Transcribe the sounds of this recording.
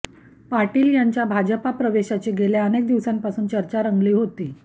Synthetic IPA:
paɾʈiːljaɲt͡ɕjabʱad͡ʑəpapɾəʋeɕat͡ɕeɡeleənek̚d̪iʋsampasuːnt͡ɕəɾt͡ɕaɾəŋɡliːɦot̪iː

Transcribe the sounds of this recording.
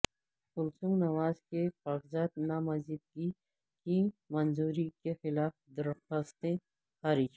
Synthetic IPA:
ʊlsũŋɡnɐwaːzkeqaːɡzaːt̪̚namɐzib̪̚ɡi | kimɐnzuːɾikexɪlaːfd̪ɐɾast̪ẽ | xaːɾɪd͡ʒ

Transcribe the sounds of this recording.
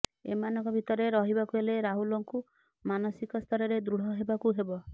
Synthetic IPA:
ḛmanɔŋkɔbʱit̪ɔɾeɾɔɦibakueleɾaɦulɔŋku | manɔsikɔst̪ʰɔɾɔɾed̪ɾuɽ̤ɔɦebakuɦebɔ

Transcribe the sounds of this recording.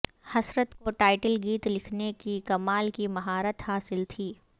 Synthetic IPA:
hɐsɾət̪koʈaːɪʈəlɡiːt̪lɪkʰnekikɐmaːlkimɐɦaːɾət̪haːsɪlt̪ʰiː

